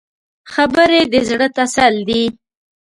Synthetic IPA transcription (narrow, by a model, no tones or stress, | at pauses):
xabəɾed̪əzɽət̪asald̪i